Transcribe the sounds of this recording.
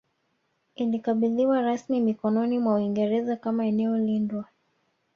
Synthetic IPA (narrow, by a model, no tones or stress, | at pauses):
ilikaɓiðiwaɾasmimikɔnɔnimwauiŋɡɛɾɛzakamaɛnɛɔlindwa